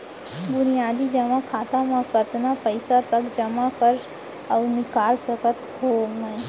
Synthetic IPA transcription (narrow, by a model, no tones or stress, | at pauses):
bʊnijaːd̪id͡ʒɐmakʰaːt̪amãkət̪napɐɪsat̪ɐkd͡ʒɐmakɐɾ | ɔːɾnɪkaːlsɐkət̪ɦoːmə̃